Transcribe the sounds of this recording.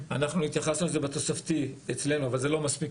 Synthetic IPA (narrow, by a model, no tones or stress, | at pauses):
anaχnuit̪jaχasnuezebet̪o̞saft̪iet͡sle̞nuavalze̞lo̞maspik